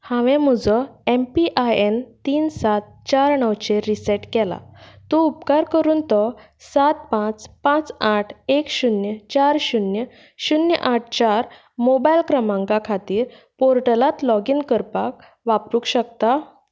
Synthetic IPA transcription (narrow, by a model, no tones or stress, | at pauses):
hãʋɛ̃m̤ud͡zɔempiʔajent̪iːnsat̪̚ | t͡ɕaɾɳəwt͡ɕeɾisɛʈkɛla̰t̪ɔupkaɾkəɾuːnt̪ɔ | sat̪̚pãt͡spãt͡saʈʰekɕunjət͡ɕaɾɕunjə | ɕunjə̰ʔaʈ̚ʰt͡ɕaɾ | mobailkɾəmãŋkakʰat̪iːɾ | poɾʈəlat̪lɔɡiːnkəɾpak̚ | ʋapɾukɕək̚t̪a